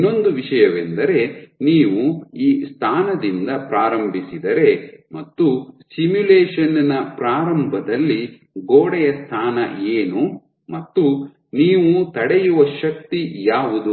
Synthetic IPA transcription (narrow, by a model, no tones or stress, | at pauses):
inːo̞nd̪uʋiʃɐjɐʋend̪ɐɾe̞niːʋuiːst̪ʰaːnɐd̪ind̪ɐpɾaːɾɐmbʱisid̪ɐɾe̞mɐt̪ːusimjuleːʃɐnɐnɐpɾaːɾɐmbʱɐd̪ɐlːi | ɡoːɽɛjɐst̪ʰaːnɐ̰eːnu | mɐt̪ːu | niːʋut̪ɐɽɛjuʋɐʃɐk̚t̪ijaːʋud̪u